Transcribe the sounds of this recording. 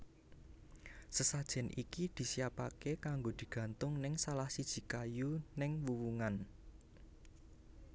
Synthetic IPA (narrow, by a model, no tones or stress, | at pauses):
səsad̥ʒ̥ɛ̤nʔḭkid̪̥i̤siapakekaŋɡod̪̥i̤ɡ̥ä̤nt̪ʊŋnɪŋsalahsid̥ʒ̥i̤kajunɪŋwuwuŋan